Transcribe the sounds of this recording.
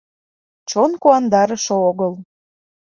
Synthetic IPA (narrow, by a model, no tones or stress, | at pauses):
t͡ɕonkuɑnd̪ɑɾəʃooɣəl